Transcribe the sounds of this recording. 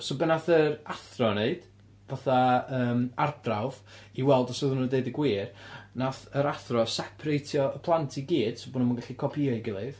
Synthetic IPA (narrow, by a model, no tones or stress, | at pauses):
sobɛnaθəɾaθrɔneɨd̥ | vaθaəːmardrawviwɛlˠdɔsoðunnədeɨdəɡwiːrnaθəɾaθrɔsɛpʰrejtʰjɔəpʰlˠantʰiɡiːd̥sobonmanŋɡaɬikʰɔpʰiaɨɡɪlˠɨð